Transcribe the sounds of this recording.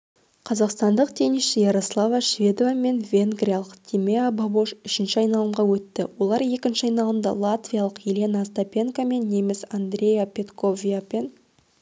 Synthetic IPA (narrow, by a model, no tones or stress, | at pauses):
qʰɑzɑqst̪ɑnd̪əqt̪ʰeniʃɪjeɾoslˠavaʃvʲe̞d̪ovame̞nvʲe̞ŋɡɾʲijalˠəqt̪ʲʰimeababoʃʏʃɪnʃɪɑjnɑlˠəmʁɑwɵt̪ːɪwo̞lˠɑɾje̞kʲɪnʃɪɑjnɑlˠəmd̪ɑ̰lˠat̪vʲijalˠəqjelʲe̞nast̪opʲe̞ŋkame̞nːe̞mesand̪rʲe̞japʲe̞t̪kʰo̞vʲijape̞n